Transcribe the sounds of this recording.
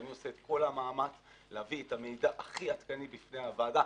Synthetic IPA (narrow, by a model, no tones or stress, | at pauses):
anio̞seet̪ko̞lamaːmat͡s | leaviet̪amejd̪aʔaχiat̪kanibifneavaːda